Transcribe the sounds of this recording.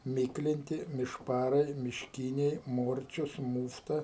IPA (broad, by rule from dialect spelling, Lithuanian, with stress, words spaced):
ˈmʲiːklʲɪnʲtʲɪ mʲɪʃˈpɑːrɐɪ mʲɪʃʲˈkʲiːnʲɛɪ ˈmoːrʲt͡ʃʲʊs ˈmuːftɐ